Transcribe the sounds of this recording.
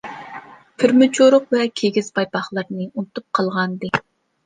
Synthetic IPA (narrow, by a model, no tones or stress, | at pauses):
pʰɪɾmɨt͡ʃʰoɾʊqvɛkʲʰeɡʲiz̥pʰɑjpɑχlˠəɾnɨunɨt̪up̚qʰɑlˠʁɑnd̪ɨ